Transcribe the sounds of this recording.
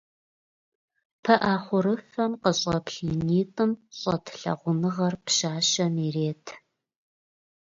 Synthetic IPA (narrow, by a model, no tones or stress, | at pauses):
pʰɐʔaːχʷʊɾɨfɐmqəɕʼɐpɬiniːtʼɨmɕʼɐtʰɬɐ̰ʁʷʊnɨʁɐrpʃaːʃɐmiːreːtʰ